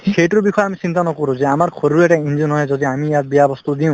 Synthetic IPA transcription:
sejʈuɾbixʰɔjamisint̪anɔkɔɾũzeamarkʰoɾuɾeʈaind͡ʒunɦɔjzɔd̪iamijat̪̚bijabɔst̪ud̪iw̃

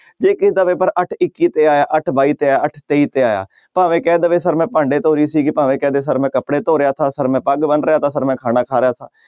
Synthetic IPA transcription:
d͡ʒeːkɪd̪aːʋeːpəɾəʈʰɪkːiːt̪eːaːjaːʔəʈʰbaːiːt̪eːaːəʈʰt̪eːiːt̪eːaːja̰ː | paːʋẽːkɛːd̪əʋeːsəɾmɛ̃ːpaːɳɖeːt̪oːɾiːsiːkɪpaːʋẽːkɛːd̪eːs̬əɾmɛ̃ːkəpɽeːt̪oːɾɪjaːt̪ʰaːsəɾmɛ̃ːpəɡbənɾɪjaːt̪ʰaːsəɾmɛ̃ːkʰaːnaːkʰaːɾɪjaːt̪ʰaː

